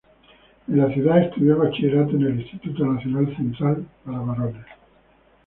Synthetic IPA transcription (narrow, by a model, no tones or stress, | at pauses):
elaθjuðaest̪uðjoβat͡ʃieɾat̪̬enelist̪it̪ut̪onaθjonalθent̪ɾalpaɾaβarone